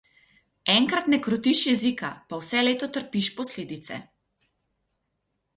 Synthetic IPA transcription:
ɛŋkɾat̪nɛkɾɔt̪iʃjɛzika̰pawsɛleːt̪ɔt̪əɾpiʃpɔsleːd̪it̪sɛ̰

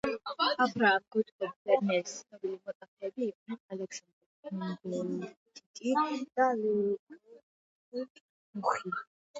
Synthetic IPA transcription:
abɾaːmɡut̪ʰʼkʼɛbbɛɾmiɛisnɔbilimɔt̪ʼapʰɛːbiːqʼnaalɛksand̪ɛɾmadɛnt̪ʰʼikʼid̪̥aliul | uχi

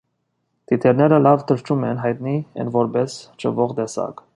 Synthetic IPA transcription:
t̪it̪ʰɛɾnɛɾəlɑvt̪ʰəɾt͡ʃʰumɛnɦɑjt̪niɛ̰nvɔɾbɛst͡ʃʰə̰vɔʁd̪ɛsɑ̰k

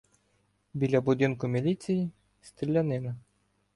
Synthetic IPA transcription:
bʲilʲɐbʊd̪ɪnkʊmʲilʲisʲiji | st̪ɾʲilʲːɐnɪnɐ

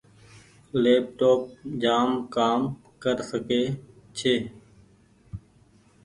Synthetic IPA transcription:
leːp̚ʈoːp̚d͡ʒaːmkaːm | kəɾsəkeːt͡ʃʰeː

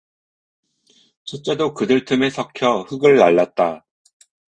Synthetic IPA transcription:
t͡ɕʰet͡ɕ͈e̞dokɯdɯɭtʰɯme̞sʰʌkʰjʌɸɯɡɯɭːaɭːat̚t͈a

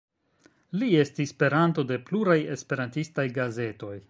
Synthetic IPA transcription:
lie̞stisːpe̞ɾanto̞de̞pluɾaje̞spe̞ɾantistajɡaze̞to̞j

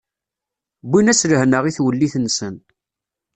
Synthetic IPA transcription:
binæsləhnəʁiθwəlːiθnsən

